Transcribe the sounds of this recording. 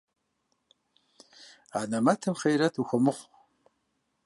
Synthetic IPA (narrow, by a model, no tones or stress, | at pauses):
aːnɐmɐtʰɨmχejɾɐtʰuxʷɔmɨχʷ